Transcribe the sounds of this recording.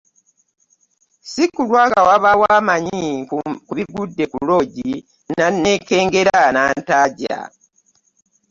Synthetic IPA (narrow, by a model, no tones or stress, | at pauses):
sikulwaːɡawaβawaːmaɲikuβiɡudːe̞kulo̞ɟi | nanːeke̞ːŋɡe̞ɾanaːntaːɟa̰